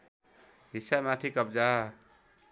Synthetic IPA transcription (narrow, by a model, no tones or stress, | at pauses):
ɦisamat̪ʰikʌb̚d͡ʒa